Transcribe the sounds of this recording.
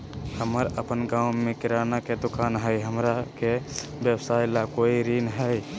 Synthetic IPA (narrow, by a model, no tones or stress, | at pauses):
həməɾəpənɡãʊmekiɾanaked̪ukanɦəjɦəmɾakebjəbsajlakoiɾinɦəj